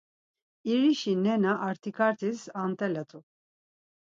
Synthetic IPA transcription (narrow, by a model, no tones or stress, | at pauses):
iɾiʃinɛnaʔːɾt̪ʰikʰaɾt̪ʰisant̪ʼɛlɛt̪ʰʼu